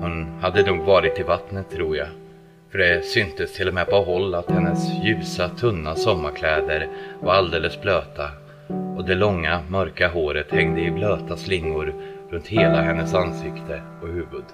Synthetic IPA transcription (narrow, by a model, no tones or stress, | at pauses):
hʊnhad̪ːənuːɡvɑːɾɪt̪ːɪvat̪nət̪ʰːɾuːja | fœɖɛsʏnt̪əst̪ʰɪlːɔmɛpɔɦɔlːat̪hɛnːəsjʉ̟ːsat̪ʰɵnːasɔmːaɾkʰlɛːd̪əɾvaɾald̪eːləsbløːt̪a | ɔd̪ɛlɔŋːamœɾkaɦoːɾət̪hɛŋd̪əɪbløːt̪aslɪŋːʊɾɾɵnt̪heːlaɦɛnːəsansɪkt̪ʰə | ɔhʉ̟ːvɵd̪